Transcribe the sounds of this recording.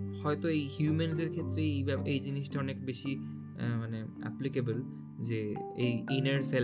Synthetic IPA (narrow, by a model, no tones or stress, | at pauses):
hɔet̪oejhjumenseɾkʰet̪ːɾeejbaejd͡ʑiniʃʈʰaɔnekbeʃi | mane | ɛ̰plikebol | d͡ʑeejineɾsel